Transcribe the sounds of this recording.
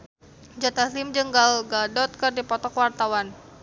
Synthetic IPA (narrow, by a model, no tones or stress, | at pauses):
d͡ʒat̪aslimd͡ʒəŋɡalɡadɔt̪̚kərdipɔt̪ɔkwart̪awan